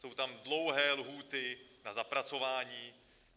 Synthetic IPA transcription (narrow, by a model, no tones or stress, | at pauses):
so̞wt̪amdlo̞wɦɛːlɦuːt̪ɪnazapɾat͡so̞vaːɲiː